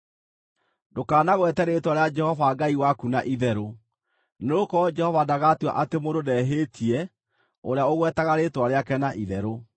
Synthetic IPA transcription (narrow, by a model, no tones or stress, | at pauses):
dokaːnaɣwɛtɛɾetwaɾead͡ʒɛhɔvaɡaiwakunaʔiðɛɾo | neokɔd͡ʒɛhɔvadaɣatwa̰ʔatemododɛɦetʰiɛ | oɾejaoɣwɛtaɣaɾetwaɾeakɛnaʔiðɛɾo